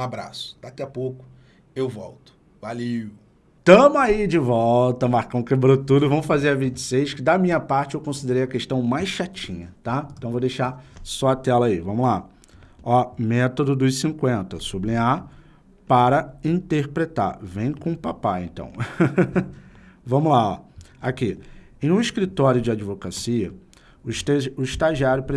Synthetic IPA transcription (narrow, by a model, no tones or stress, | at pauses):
ũabɾa̰sʊ̥d̪̥akiɐpowkʊ̥ | ewvɔwt̪ʊ̥ | valiʊ | t̪ɐ̃mʊaid͡ʒɪvɔwt̪ɐmaɾkɐ̃w̃kebɾot̪ud̪ʊvɐ̃mʊfazeɾɐvĩt͡ʃɪ̥sejʃkɪd̪ɐmĩɲɐpaɾt͡ʃɪewkõsid̪eɾejɐkeʃt̪ɐ̃w̃majsʃat͡ʃĩɲɐt̪ãt̪ɐ̃w̃vowd̪ejʃasɔɐt̪ɛlɐaivɐ̃mʊla | ɔmɛt̪od̪ʊd̪ʊjsĩŋkwẽnt̪ɐsublĩa | paɾɐĩt̪eχpɾet̪a̰ɾvẽj̃kõpapaẽnt̪ɐ̰̃w̃ | vɐ̃mʊlaɔ̰aki | ẽj̃ũiʃkɾit̪ɔɾjʊd͡ʒɪad͡ʒivokasiɐ | ʊʃt̪ʊiʃt̪aʒiaɾjʊpɾe